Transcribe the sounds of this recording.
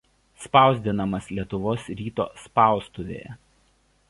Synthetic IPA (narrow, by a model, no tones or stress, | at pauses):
spɑˑʊzʲd̪ʲɪnɐmɐslʲiɛt̪ʊʋoːsɾʲiːt̪o̰ːspɑˑʊst̪uʋʲḛːjɛ̰